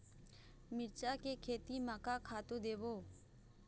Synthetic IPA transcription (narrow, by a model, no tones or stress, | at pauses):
mɪɾt͡ʃakekʰeːt̪imakakʰaːt̪od̪eːʋoː